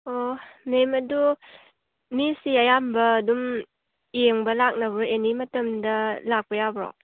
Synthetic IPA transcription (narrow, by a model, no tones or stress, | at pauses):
onemɐdu | misiɐjambɐːdum | jeŋbɐlak̚nɐbɔɾenimɐtɐmdɐlak̚pɐjabɾo̰